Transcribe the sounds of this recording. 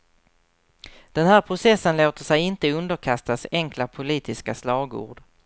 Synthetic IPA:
d̪̥ɛnhæːɾpʰɾʊsɛsːənloːt̪əʂɛjɪnt̪əɵnd̪əɾkʰast̪asɛŋklapʰʊliːt̪ɪskaslɑːɡṵːɖ

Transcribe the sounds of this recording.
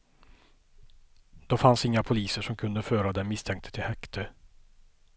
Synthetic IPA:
d̪̥ɔfansɪŋːapʰʊliːsəʂɔmkʰɵnd̪əføːɾad̪ɛːɪst̪ʰɛŋkt̪ə̥t̪ʰɪlhɛkt̪ʰə

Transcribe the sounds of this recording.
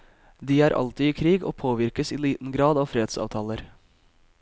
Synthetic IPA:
d̪iːæːɾʔɑ̰lt̪iːiːkʰɾiːɡo̰ːpʰoːʋɪɾkəsiːliːt̪n̩ɡɾɑːd̪ɑːʋfɾeːd̪sɑ̰ːʋt̪ʰɑːləɾ

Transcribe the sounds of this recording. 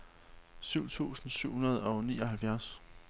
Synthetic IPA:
syʊ̰t͡sʰṵːsn̩syʊ̰hunɐð̞̩ˠɒ̽ʊniːɒ̽ɦælfjæɐ̰s

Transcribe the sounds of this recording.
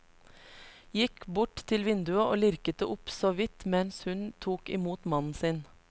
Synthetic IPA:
jɪkbʊʈt̪ʰɪlʋɪnd̪ʉəʔoːlɪɾkət̪əʔʊpsoːʋɪt̪mɛnshʉnt̪ʰuːkɪ̰muːt̪mɑnn̩sɪn

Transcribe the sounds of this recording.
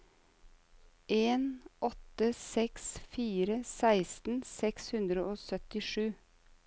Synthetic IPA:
ʔeːnʔɔt̪əsɛksfiːɾəsæɪst̪n̩sɛkshʉnd̪ɾəʔoːsœt̪ɪʃʉː

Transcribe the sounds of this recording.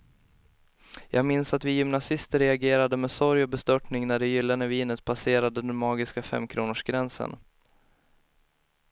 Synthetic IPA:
jʔɑːɡmɪnsat̪vɪjʏmnasɪst̪əɾɛaɡeːɾad̪əmɛsɔɾjɔbɛst̪œʈɳɪŋnæɖɛjʏlːanəviːnət̪pʰaseːɾad̪əd̪ɛnmɑːɡɪskafɛ̰mːkʰɾuːnəʂɡɾɛnsə̰n

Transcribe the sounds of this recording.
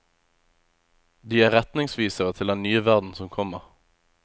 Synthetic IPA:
d̪iːæːʁɛt̪nɪŋsʋiːsəʁət̪ʰɪld̪ɛnnyːəʋæʁd̪n̩sɔmkʰɔməʁ

